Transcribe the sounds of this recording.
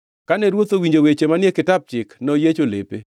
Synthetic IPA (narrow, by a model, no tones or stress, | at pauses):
kanɛɾwot̪owiɲd͡ʒowet͡ʃemanjekɪtap̚t͡ʃɪknɔjet͡ʃolḛpḛ